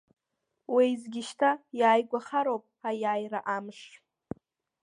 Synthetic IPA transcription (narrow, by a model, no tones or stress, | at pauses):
wejzɡʲɪʃtʰajaːjɡʷaχaɾowpʼajaːjraʔamʂ